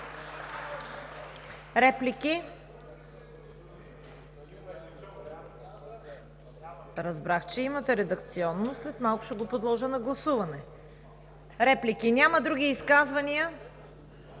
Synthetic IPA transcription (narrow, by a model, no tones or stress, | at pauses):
ɾɛpliki | ɾɐzbɾaxt͡ʃɛimət̪ɛɾɛd̪ɐkt̪siɔnːoslɛt̪malˠkʊ̥ʃɛɡopod̪lˠɔʒənɐɡlˠɐsuvɐnɛ | ɾɛplikinʲaməd̪ɾuɡ̟ʲiːskazvɐniə